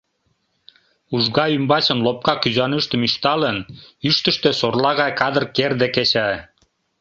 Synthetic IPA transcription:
uʒɣɑymbɑt͡ɕə̆nlop̚kɑkyzɑnyʃt̪ə̆miʃt̪ɑlənyʃt̪ə̆ʃt̪ø̆sorlɑɣɑjkɑd̪ə̆rkerd̪eket͡ɕæ

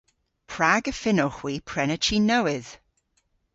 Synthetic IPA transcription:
pʰɹ̥aɡəfɪnɔχwiːpʰɹ̥ɛnət͡ʃiːnəwɪð̥

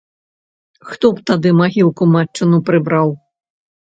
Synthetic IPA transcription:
xt̪ɔpt̪ad̪ɨmaɣʲiwkumat͡ʂːɨnupɾɨbɾaw

